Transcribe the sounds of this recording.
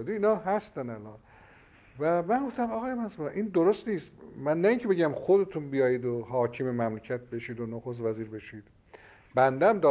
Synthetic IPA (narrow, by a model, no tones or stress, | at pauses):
d̪iiːnɒːɦæst̪ænælɒːn | væmænɡo̞ft̪æmɒɣɒːjemæsmuʔind̪oɾost̪niːst̪mænːæiːŋcʰe̞be̞ɟæmxod̪e̞t̪ʰunbijɒːjiːd̪oɦɒːcʰimemæmlecʰæt̪̚be̞ʃiːd̪onoxos̬t̪væziːɾbe̞ʃiːd̪̥ | bænd̪ææmd̪ɒː